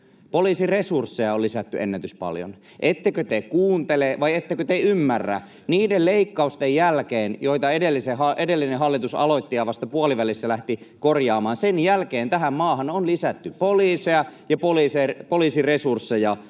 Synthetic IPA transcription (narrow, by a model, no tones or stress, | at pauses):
poliːsiresursːejɑolːisæt̪ːyʔḛnːæt̪yspɑ̰ljo̰n | ʔet̪ːekøt̪ekuːnt̪eleʋɑjet̪ːekøt̪eymːærːæ̰ | niːdelleikːɑust̪ejjælkeːnjoit̪ɑedelːisehɑʔedelːineɦɑlːit̪usɑ̰loit̪ːijɑʋɑst̪ɑpuɑliʋælisːælæht̪ikorjɑːmɑːnsenjælkeːnt̪æɦæmmɑːɦɑnonlisæt̪ːypoliːseɑjɑpoliːserpoliːsiresursːejɑ